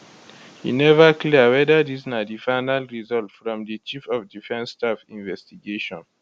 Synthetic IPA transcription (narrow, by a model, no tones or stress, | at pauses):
hḭnɛvəkliwɛdadiznadifaɪnalɹizɔltfɹɔ̃mdit͡ʃifɔfdifɛ̃nstafĩnvɛstiɡeʃɔ̃n